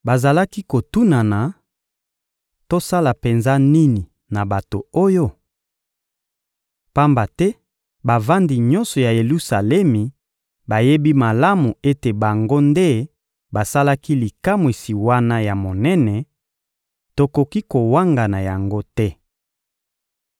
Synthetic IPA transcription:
ba˨za˨la˦ki˦ko˨tu˦na˨na˨ | to˦sa˦la˨pe˨nza˦ni˦ni˨ | na˨ba˨to˨o˦jo˦ | pa˦mba˨tɛ˦ | ba˨va˦ndi˨ɲɔ̃˦nsɔ˨ja˨je˨lu˦sa˨lɛ˦mi˨ | ba˨je˦bi˦ma˨la˦mu˨e˦te˨ba˨ŋɡo˦nde˦ | ba˨sa˦la˦ki˦li˨ka˦mwi˨si˨wa˦na˦ja˨mo˨nɛ˦nɛ˨ | to˨ko˨ki˦ko˨wa˦ŋɡa˨na˨ja˨ŋɡo˦tɛ˦

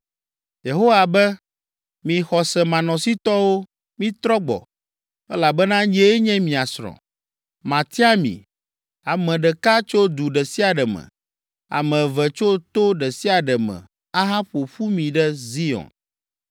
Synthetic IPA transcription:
je˨ɦo˦wa˨bɛ˦ | mĩ˨xɔ˨sɛ˨mã˨nɔ̃˨si˦t̪ɔ˦wo˦ | mĩ˦t̪ɾɔ˦ɡ͡bɔ̰˨ | ɛ˦la˨bɛ˦nã˦ɲɛ˦ɲɛ̃˦mĩ˨a˨sɾɔ̰̃˨ | mã˨t̪i˦a˦mḭ̃˨ | a˨mɛ̃˨ɖɛ˨ka˦t͡ʃo˦d̪u˨ɖɛ˨si˦a˨ɖɛ˨mɛ̰̃˨ | a̰˨mɛ̃˨vɛ˨t͡ʃo˦t̪o˦ɖɛ˨si˦a˨ɖɛ˨mɛ̰̃˨ | a˦ɦa˦ɸo˨ɸu˦mĩ˨ɖɛ˦zi˦ɔ̰˨n

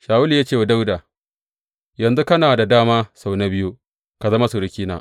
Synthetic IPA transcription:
ʃaː˨wʊ˦li˨jaː˦t͡ʃeː˦˨wa˨da˦wdaː˨ | jɐ˨nzu˦kɐ˦naː˨da˨daː˦maː˦sa˨wna˦bɪ˦ju˦ | ka˨zɐ˦ma˦su˨ɾɪ˦kʲiː˦na̰ː˨˦

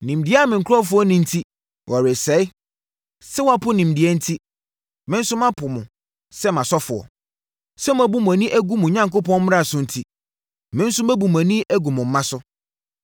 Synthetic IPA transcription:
nĩ˨mdɪ˦ɛ˦a˦˨mɪ̃˨ŋ̩˨kʰʊ˦ɾɔ˦fʊ˦ɔ˦nĩ˦n̩˦tʰi˦ | wʔɔ˨ɾɪ˨sɛ˨˦ɪ˦ | sɛ˦wa˦pʰʊ˦nĩ˨m˨dɪ˨ɛ˦n̩˦tʰi˦ | mɪ̃˦n̩˦sʊ˦mã˦pʰʊ˨mʊ̃˨ | sɛ˦mã˨sɔ˦fʊ˨ɔ̰˨ | sɛ˦m̃˨˦æ˦bu˦m̃˨æ˨nĩ˦ʔæ˦ɡu˦mʊ̃˨ɲã˦ŋko˦pɔ̃˦n̩˦m˦a˨sʊ̃˦n̩˦tʰi˦ | mɪ̃˦n̩˦sʊ˦mæ̃˦bu˨m˨æ˨nĩ˦ʔæ˦ɡu˨mʊ̃˨m̩˦mã˦sʊ˦

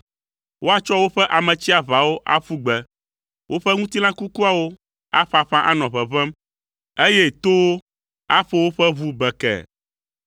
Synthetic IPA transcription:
wo˦a˦t͡ʃɔ˦wo˦ɸɛ˦ʔa˨mɛ̃˨t͡ɕi˦a˨βa˨wo˦ʔa̰˦ɸu˦ɡ͡bɛ˨ | wʔo˦ɸɛ˦ŋũ˦t̪i˦lã˦ku˦ku˦a˨wo˦ | a˦ɸa˨ɸã˦ʔa˦nɔ̃˨βɛ˨βɛ̃˦m | e˦je˦t̪o˦wo˦ | a˦ɸo˦wo˦ɸɛ˦βu˦bɛ˨kɛ̰˨

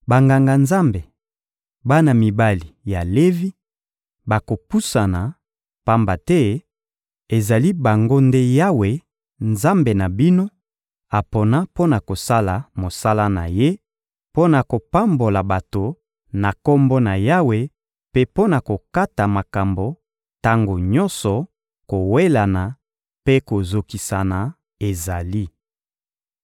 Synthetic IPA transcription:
ba˨ŋɡa˨ŋɡa˨nza˦mbe˨ | ba˦na˨mi˨ba˦li˨ja˨le˦vi˦ | ba˨ko˨pu˦sa˨na˨ | pa˦mba˨tɛ˦ | e˨za˨li˦ba˨ŋɡo˦nde˦ja˦we˨ | nza˦mbe˨na˨bi˦no˦ | a˨po˨na˦po˦na˨ko˨sa˦la˨mo˨sa˦la˦na̰˨je˦ | po˦na˨ko˨pa˦mbo˨la˨ba˨to˨ | na˨ko˦mbo˦na˨ja˦we˨ | pe˦po˦na˨ko˨ka˦ta˨ma˨ka˨mbo˨ | ta˦ŋɡo˨ɲɔ˦nsɔ˨ | ko˨we˦la˨na˨ | pe˦ko˨zo˨ki˨sa˨na˨ | e˨za˨li˦

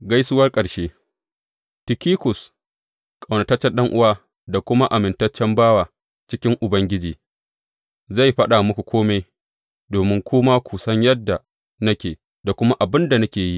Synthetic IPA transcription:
ɡɐ˦jsʊ˦wɐ˦rkʼɐ˨ɽʃeː˦ | tɪ˨kʲiː˦kʷʊ˨s | kʼa˨wnɐ˨tɐ˦t͡ʃːɛ˦nɗɐ˦ŋʔʊ˦waː˦ | da˨kʷʊ˦ma˦ʔa˨mɪ˨ntɐ˦t͡ʃːɛ˦mbaː˦waː˨ | t͡ʃɪ˦kʲɪ˦ŋʔʊ˨bɐ˦ŋɡʲɪ˦d͡ʒiː˨ | za˦˨jɸɐ˦ɗa˨mʊ˦kʷu˨kʷʰoː˦me˦j | doː˨mɪ˦ŋkʷʊː˦ma˦kʷu˨sɐ˦ɲjɐ˦dːa˨ | nɐ˦kʲeː˨ | da˨kʷʊ˦ma˦ʔa˨bɪ˦nda˨nɐ˦kʲeː˨ji˦ʔ

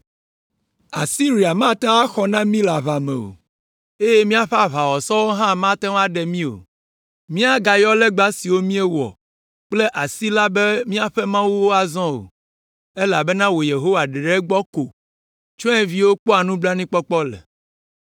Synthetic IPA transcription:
a̰˨si˦ɾi˨a˨mã˦t̪ã˦a˦xɔ˨nã˦mĩ˦la˨βa˨mɛ̰̃˨o̰˨ | e˦je˦mĩ˦a˦ɸɛ˦a˨βa˨wɔ˨sɔ˦wo˦ɦã˦˨mã˦t̪ɛ̃˦wa˦ɖɛ˨mĩ˦o̰˨ | mĩ˦a˦ɡa˨jɔ˦le˦ɡ͡ba˦si˨wo˦mĩ˦e˦wɔ̰˨ | k͡ple˦ʔa˨si˦la˦be˦mĩ˦a˨ɸɛ˦mã˦wu˦wo˦a˨zɔ̃˦o̰˨ | e˦la˨bɛ˦nã˦wo˨je˨ɦo˦wa˨ɖe˨ɖe˦ɡ͡bɔ˦ko˨ | t͡ʃɔ̃˦ɛ˦vi˦wo˦k͡pɔ˦a˨nũ˦bla˦nĩ˦k͡pɔ˦k͡pɔ˦lɛ̰˨

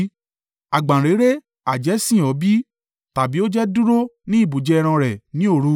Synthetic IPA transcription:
a˨ɡ͡bã˨ɾe˨˦ɾe˦ | a˨d͡ʒɛ˨˦sĩ˦˨ɔ˨˦bi˦ | ta˨bi˨˦o˦d͡ʒɛ˦du˦ɾo˦nĩ˦i˦˨bu˨d͡ʒɛ˧ɛ˧ɾ̃ã˧ɾɛ˨nĩ˨˦o˦˨ɾu˦

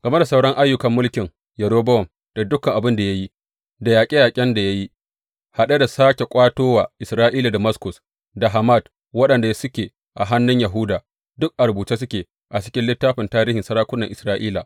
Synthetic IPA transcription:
ɡ̥ɐ˨me˦da˨sa˦˨wɽɔ˦ŋʔa˦jːʊ˦kɐ˨mːʊ˦lkʲɪ˨ŋ | jɐ˨ɽoː˦bɐ˦wɔ˨m | d̥a˨dʊ˦kːɐ˨ŋʔa˨bɪ˦nda˨ja˦ji˦ | da˨jaː˨kʲʼe˦jaː˨kʲʼɛ˦nda˨ja˦ji˦ | ha˨ɗa˦da˨saː˦kʲe˨kʷʼaː˦toː˦waː˨ʔɪ˨sɾaː˦ʔiː˦la˨da˨mɐ˦skʊ˨s | da˨ɦa˨ma˦˨d | wɐ˦ɗɐ˨nda˨ja˦sʊ˦kʲeː˨ | ʔa˨ɦa˦nːʊ˦ɲjɐ˨ɦʊ˦daː˨ | dʊ˦k̚ʔa˨ɾʊ˨buː˨t͡ʃe˦s̬ʊ˦kʲeː˨ | ʔa˨t͡ʃɪ̥˦kʲɪ˦nlɪ˦tːaː˦ɸɪ˨ntaː˦ɾiː˦hɪ˨nsɐ˦ɽaː˦kʷʊ˦nːɐ˨ʔɪ˨sɾaː˦ʔiː˦la˨

